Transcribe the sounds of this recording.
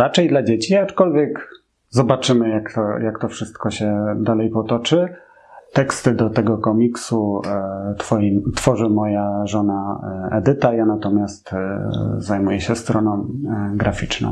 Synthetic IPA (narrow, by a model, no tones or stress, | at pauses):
ɾat͡ʂɛjd̪lad͡ʑet͡ɕiat͡ʂkɔlvʲjɛk | zɔbat͡ʂɘmɘjakt̪ɔjakt̪ɔfʂɘst̪kɔɕɛd̪alɛjpɔt̪ɔt͡ʂɘ | t̪ɛkst̪ɘd̪ɔt̪ɛɡɔkɔmʲiksu | t̪fɔjit̪fɔʐɘmɔjaʐɔnaɛ̰d̪ɘt̪ajanat̪ɔmʲast̪ | zajmujɛɕɛst̪ɾɔnɔ̃w̃ɡɾafʲit͡ʂnɔ̰̃w